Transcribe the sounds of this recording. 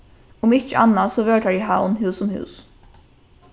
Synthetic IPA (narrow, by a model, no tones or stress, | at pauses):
ʊmɪt͡ʃəʔɑnːasɔʋøːʈaɪɦɑ̰ːʊnɦʉːsʊmhʉ̰ːs